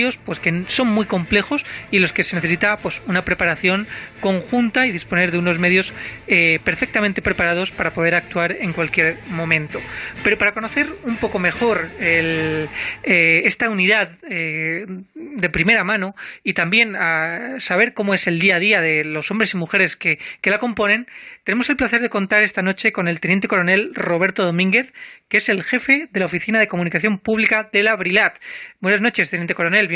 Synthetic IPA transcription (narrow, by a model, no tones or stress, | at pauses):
o̞spwe̞ske̞so̞ŋmwiko̞mple̞xo̞silo̞skese̞ne̞θes̬it̪apwe̞sunapɾe̞paɾaθjo̞ŋko̞ŋxunt̪aið̞ispo̞ne̞ɾðeuno̞zme̞ðjo̞sepe̞ɾfe̞k̚t̪ament̪e̞pɾe̞paɾað̞o̞spaɾapo̞ðe̞ɾak̚t̪uaɾe̞ŋkwalkje̞ɾmõ̞mẽ̞nt̪o̞pe̞ɾo̞paɾako̞no̞θe̞ɾumpo̞ko̞me̞xo̞ɾel | ee̞st̪auniðaðe | d̪e̞pɾime̞ɾamãnoit̪ambje̞nasaβ̞e̞ɾko̞moese̞ld̪iað̞iaðe̞lo̞so̞mbɾe̞simuxe̞ɾe̞skeke̞lako̞mpo̞nẽ̞nt̪e̞ne̞mo̞selplaθe̞ɾð̞e̞ko̞nt̪aɾe̞st̪ano̞t͡ʃe̞ko̞ne̞lt̪e̞nent̪̬e̞koɾo̞ne̞lro̞β̞e̞ɾt̪o̞ð̞o̞mĩŋɡe̞θkeese̞lxe̞fe̞ðe̞laofiθinaðe̞ko̞mũnikaθjo̞mpuβlikaðe̞laβɾilat̪bwenazno̞t͡ʃe̞s̬t̪enent̪eko̞ɾo̞ne̞lj